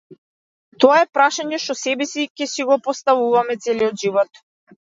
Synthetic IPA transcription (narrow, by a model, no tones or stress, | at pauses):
t̪ɔaɛpɾaʃaɲɛʃt̪ɔsɛbɛsikʲɛsiɡɔpɔst̪avuvamɛt̪sɛliɔd̪ʒivɔt̪